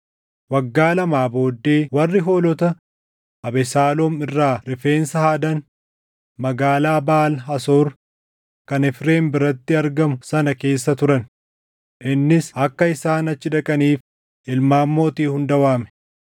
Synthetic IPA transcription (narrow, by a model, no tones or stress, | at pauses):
wɐɡːaːlɐmaːbo̞ːd̪ːe̞ːwɐrːɪɦo̞ːlɔt̪ɐ | ʔɐbɛsaːlɔmɪrːaːɾɪfe̞ːnsɐhaːd̪ɐn | mɐɡaːlaːbaːlɦɐsoːɾ | kɐnɪfɾe̞ːmbɪɾɐt̪ːɪɐɾɡɐmʊsɐnɐke̞ːsːɐt̪ʊɾɐn | ʔɪnːɪsɐkːɐɪsaːnɐt͡ʃːɪd̪ɐkʼɐniːf | ʔɪlmaːmːo̞ːt̪iːhʊnd̪ɐwaːmɛ̥